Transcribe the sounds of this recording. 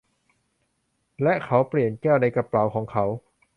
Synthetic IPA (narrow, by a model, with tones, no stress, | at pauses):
lɛ˦˥ʔkʰa˦˥wpli˨˩ənkɛː˥˩wna˧jka˧pla˨˩˦wkʰɔː˩˦ŋkʰa˦˥w